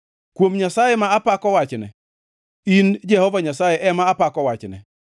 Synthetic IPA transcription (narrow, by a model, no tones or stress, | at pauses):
kwomɲasajɛmaapakɔwat͡ʃnɛ | ind͡ʒɛhɔvaɲasajeʔɛmaːpakɔwat͡ʃnɛ